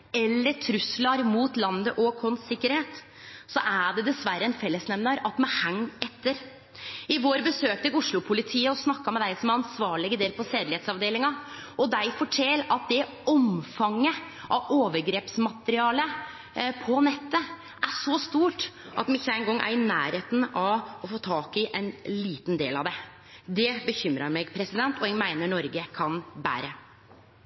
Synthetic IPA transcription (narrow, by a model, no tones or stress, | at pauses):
ɛlːəʈʰɾʉslɑɾmuːt̪lɑnd̪əʔɔkʰɔnsɪkːəɾheːt̪ | sɔʔæɖɛd̪ɛsʋæɾːəɛnfɛlːəsnɛmnɑɾɑt̪mɛhæŋːɛt̪ːəɾ | ɪʋoːɾbəsøːk̚t̪əɡʊʂlʊpʰʊlɪt̪ʰiːəɔsnɑkːɑmɛd̪æɪsɔmæɾɑnsʋɑːɭɪɡəd̪eːlpʰɔseːd̪lɪheːt̪sɑʋd̪eːlɪŋɑ | ɔd̪æɪfɔʈʰɛlɑt̪̚d̪ɛ | ɔmfɑŋːə | ʔɑoːʋəɾɡɾeːpsmɑt̪əɾɪɑːlə | pʰɔnɛt̪ːə | ʔæʂɔst̪uːʈʔɑ̰t̪mɪçːəæɪnɡɔŋːʔæ̰ɾɪnæ̰ːɾheːt̪n̩ɑʋɔfoːt̪ʰɑːkɪʔɛnliːt̪nd̪ḛːlɑ̰ʋd̪ɛ | d̪ɛbəçʏmɾɑɾmɛɡpʰɾɛsɪd̪ɛnt̪ɔɛɡmæɪnəɳɔɾɡəkʰɑnbæ̰ːɾə